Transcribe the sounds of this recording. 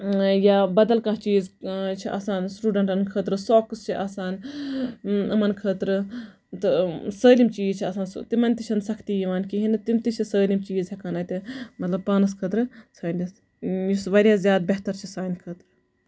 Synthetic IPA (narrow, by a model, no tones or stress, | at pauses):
jaːbɐd̪ɐlkãːt͡ʃiːzt͡ʃʰiʔa̰ːsaːnsʈuːɖɐɳʈɐnkʰəːt̪ɾɨsoːkɨst͡ʃʰiʔaːsaːn | ɐmɐnkʰəːt̪ɾɨ | t̪ɨsəːlimt͡ʃiːzt͡ʃʰiɐsaːnst̪imɐnʲt̪it͡ʃʰɐnsɐkʰt̪iːjiʋaːnkiɦinɨt̪imt̪it͡ʃʰisəːlimt͡ʃiːzɦekanaːt̪emɐt̪lɐb̚paːnɐskʰəːt̪ɾɨsaːnʲis | jisʋɐɾʲjaːzjaːd̪̚beɦt̪ɐɾt͡ʃʰisaːnʲkʰəːt̪ɾɨ